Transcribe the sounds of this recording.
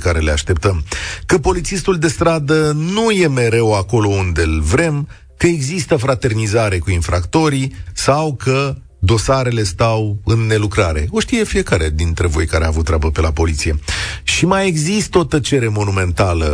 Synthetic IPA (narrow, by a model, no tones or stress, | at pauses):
kaɾe̞le̞aʃt̪e̞p̚t̪əmkəpo̞lit̪sist̪uld̪e̞st̪ɾad̪ənuje̞me̞ɾe̞wako̞lo̞und̪elvɾe̞m | kəeɡzist̪əfɾat̪e̞rnizaɾe̞kuinfɾakt̪o̞ɾisawkʰə | d̪o̞saɾe̞le̞st̪awɨnːe̞lukɾaɾe̞̰o̞ʃt̪ijefije̞kaɾed̪int̪ɾe̞vo̞jkaɾea̰ːvut̪ːɾeabəpe̞lapo̞lit̪sije̞ʃimaje̞ɡzist̪o̞t̪ət͡ʃe̞ɾe̞mo̞nume̞nt̪alə